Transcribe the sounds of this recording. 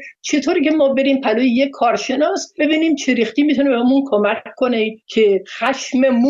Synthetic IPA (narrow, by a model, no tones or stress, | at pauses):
t͡ʃʰe̞t̪ʰoːɾiːcʰemɒːbe̞ɾiːmpʰæloːjejekʰːɒːɾʃe̞nɒːsbe̞biːniːmt͡ʃʰeɾixt̪iːmit̪ʰunebeɔmunkʰomækkʰːonecʰexæʃmemu